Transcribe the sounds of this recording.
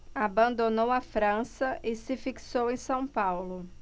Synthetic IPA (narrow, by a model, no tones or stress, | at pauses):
abɐ̃nd̪onowɐfɾɐ̃sɐʔɪsɪfiksowẽj̃sɐ̃w̃pawlʊ